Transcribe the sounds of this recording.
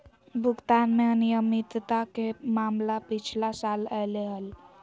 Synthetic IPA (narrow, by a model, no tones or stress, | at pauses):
bʱukt̪anmenijəmit̪t̪akemamlapit͡ʃʰlasalɛleɦəl